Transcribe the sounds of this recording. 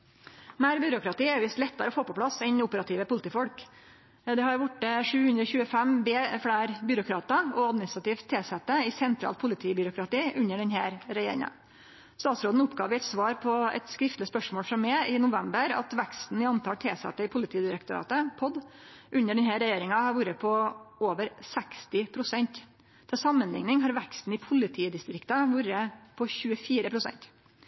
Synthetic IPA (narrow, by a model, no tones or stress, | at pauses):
mæːɾbʏɾʊkɾɑt̪iːɛɾʋɪst̪lɛt̪ːəɾəɔfoːpɔpʰlɑsɛnʊpəɾɑt̪ʰiːʋəpʊlɪt̪iːfɔlk | d̪ɛhɑɾʋʊʈːəʂʉːhʉnd̪ɾɔçʉːəfæmbeːfɽæːɾbʏɾʊkʰɾɑːt̪ɑɔɑd̪mɪnɪst̪ɾɑt̪iːʋt̪ʰːeːsɛt̪ːəɪsɛnt̪ʰɾɑ̰lt̪̚pʰʊlɪt̪ʰiːbʏɾʊkɾɑt̪iːʔʉnːəɖɛnhæːɾɾɛjeːɾɪ̰ŋɑ̰n | st̪ɑːt̪sɾoːd̪n̩ʊpɡɑːʋɪɛɪt̪sʋɑːɾpʰɔɛ̰t̪skɾɪft̪lɪəspœʂmoːlfɾɔmːɛɪnʊʋɛmbəɾɑ̰t̪ʋækst̪n̩ɪɑnt̪ʰɑːlt̪ʰeːsɛ̰t̪ːəɪpʰʊlɪt̪ʰiːd̪ɪɾɛkt̪ʊɾɑ̰ːt̪əpʰɔd̪ʔʉɲːəɖɛnhæːɾɛjeːɾɪŋɑhɑɾʋuːɾəpʰɔoːʋəɾsɛkst̪ɪpʰɾʊsɛnt̪ | d̪ʰɛsɑmːənlɪ̰ŋnɪŋɦɑɾʋækst̪n̩ɪpʰʊlɪt̪ʰiːd̪ɪst̪ɾɪkt̪ɑʋuːɾəpʰɔçʉːəfiːɾəpʰɾʊsɛ̰nt̪